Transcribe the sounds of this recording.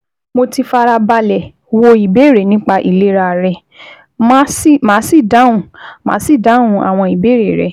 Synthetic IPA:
mo˧ti˧fa˧ɾa˧ba˧lɛ˨ | wo˧i˨be˨˦˨ɾe˨nĩ˦k͡pa˧ʔḭ˨le˨˦ɾa˧˨ɾɛ˧ | mã˦smã˨˦si˦˨da˨˦ũ˨mã̰ː˨˦si˦˨da˨˦ũ˧˦a̰˨w̃ɔ̃˧i˨be˨˦ɾe˨ɾɛ̰˨

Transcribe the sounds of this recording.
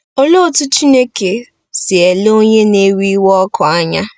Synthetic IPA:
o˦lo˦˨tʊ˦t͡ʃi˦ne˦ke˨ | sɪ˨e˨lo˦ɲe˦ne˦wi˦i˦wɔ˦kʰɔ˨a˦ɲa˦

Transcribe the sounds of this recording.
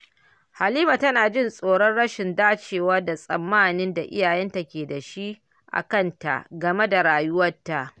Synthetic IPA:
ha˨liː˦ma˨tɐ˦naː˨d͡ʒɪ˦nsʼoː˨ɽɔ˦nɽɐ˦ʃɪ˨ndaː˦t͡ʃeː˨wɐ˦rda˨sʼɐ̰˨mːaː˦˨nɪ˦nda˨ʔɪ̰˦jaː˨jɛ˦nta˨kʲeː˨da˨ʃi˦ʔ | ʔa̰˨kɐ˦˨nta̰˨ʔɡɐ˨me˦da˨ɽaː˨jʊ˦wɐ˦tːa˨ʔ

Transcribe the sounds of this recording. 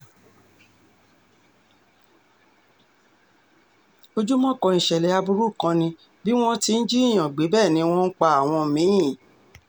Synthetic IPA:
o˧d͡ʒu˦mɔ̃˦˨kɔ˨˧ĩ˨ʃɛ˨lɛ˨˦a˧bu˧ɾu˦˨kã˧nĩ˧ | bi˦w̃ɔ̃˦ti˧n̩˦d͡ʒi˦i˦˨j̃ã˨ɡ͡be˨˦bɛː˦˨nĩ˨˧˦w̃ɔ̃˦n̩˦k͡pa˧a˦˨w̃ɔ̃˧˨mĩ˨˦ĩ˦˨

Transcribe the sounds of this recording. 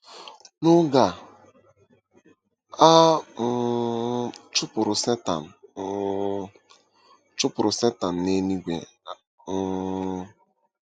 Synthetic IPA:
nʊ˦ɡa˨ | a˦ | t͡ʃʊ˦pʊ˨ɾʊ˨sɛ˦ta̰˨m̩˨˦ | t͡ʃʊ˦pʊ˨ɾʊ˨se˦ta˨n̩˨ne˦ni˦ɡʷḛ˨˦

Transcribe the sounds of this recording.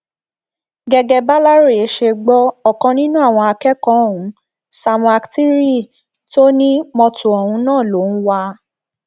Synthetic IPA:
ɡɛ˧ɡɛ˧ba˦la˦ɾe˦˨e˨˦ʃe˧ɡ͡bɔ˦ɔ˦˨kãɔ̃˧nĩ˦nũ˦a˦˨w̃ɔ̃˧a˧kɛ˦kɔ̃˦˨ũ˨˦ | sa˧m̃˧a˧kti˦ɾi˦˨ | to˦nĩ˦mɔ̃˧tu˨ɔ˨hũ˧˦nãː˦˨lo˨˦n̩˦wa˧

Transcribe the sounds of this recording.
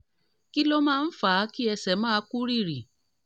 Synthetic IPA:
ki˦lo˦mãː˦˧n̩˦fa˨˦ki˦ɛ˧sɛ˨mãː˦˧˦ku˦ɾi˦˨ɾi˨

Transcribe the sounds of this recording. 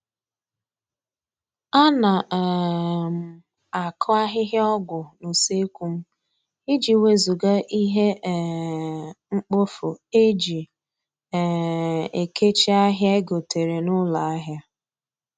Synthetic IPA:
a˦na˨ɛ˨m̩˨ | a˨kʰʊ˦a˦ɦɪ˦ɦɪ˦ɔ˦ɡʷʊ˨nu˨se˦kʷu˦m̩˦ | i˦d͡ʒi˨we˦zu˨ɡa˦ʔi˦ɦe˦˨ | ŋ͡m̩˦k͡pʊ˦fʊ˨e˦d͡ʒi˨ | e˨ke˦t͡ʃi˦a˦ɦja˦e˦ɡo˨te˨ɾe˨nʊ˦la˨a˦ɦja˦

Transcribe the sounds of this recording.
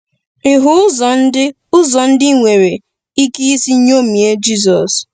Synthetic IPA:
ɪ˨ɦʊ˦zɔ˨n̩˦ɪ˦ | ʊ˦zɔ˨n̩˦dɪ˦ŋʷe˨ɾe˨ | i˦ki˦i˦si˦ɲ˦o˦mi˨e˦d͡ʒi˦z̬ɔ˨s

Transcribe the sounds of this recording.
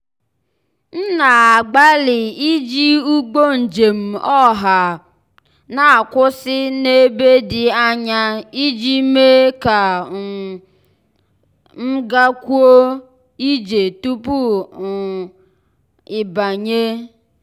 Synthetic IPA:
n̩˦na˨a˨ɡ͡ba˦lɪ˨i˦d͡ʒi˦u˦ɡ͡bo˦n̩˨d͡ʒe˨m̩˨ɔ˦ɦa˨ | na˨a˨kʷʊ˦sɪ˦ne˦be˦dɪ˨a˦ɲa˦i˦d͡ʒi˦me˦ka˨ | m̩˦ɡa˦kʷu˦o˦ | i˦d͡ʒe˨tu˦pu˦˨ | ɪ˨ba˨ɲe˦

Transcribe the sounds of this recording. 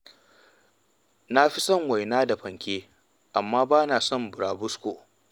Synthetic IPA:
na˦ɸi˦sɔ˦˨ŋwa˨jnaː˦da˨ɸɐ˨ŋkʲeː˦ | ʔa˨mːaː˦baː˦naː˨sɔ˦˨mbʊ˨ɽaː˨bʊ˦skʷoː˨

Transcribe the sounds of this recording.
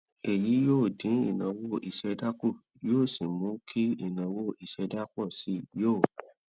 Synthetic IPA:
ɛ˨ji˨˦joː˦˨dĩ˨˦ḭ˦˨nã˨wo˦˨ʔi˨ʃɛ˨˧da˦ko˦˨ | joː˦˨si˨mũ˨˦kʰi˦ḭ˦˨nã˨˦wo˦˨i˨ʃɛ˧˦da˦k͡pɔ˦˨si˨˦jo˦˨

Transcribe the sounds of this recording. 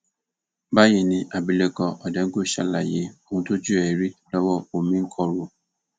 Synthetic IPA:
ba˦ji˨nĩ˨ʔa˨bi˨le˦kɔ˨ʔɔ˨dɛ̃˨ŋ̩˦ɡo˦ʃa˦la˨je˨˦o˦ŋũ˦to˦d͡ʒu˦ɛ˨ɾi˦lɔ˦wɔ˦o˨mĩ˦ŋ̩˦kʰɔ˦ɾo˦

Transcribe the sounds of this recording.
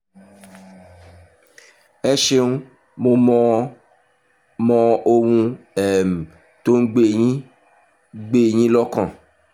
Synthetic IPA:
ɛ˦ʃe˦nũ˦ | mo˧mɔ̃˧ | mɔ̃˧o˧wũ˧ | ɛ˨m̩˨ | to˦n̩˦ɡ͡be˦˨ĩ˦ | ɡ͡be˦˨j̃ĩ˦lɔ˦kã˨

